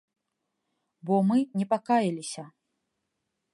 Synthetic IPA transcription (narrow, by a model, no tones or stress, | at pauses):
bɔmɨnʲɛpakajilʲisʲɐ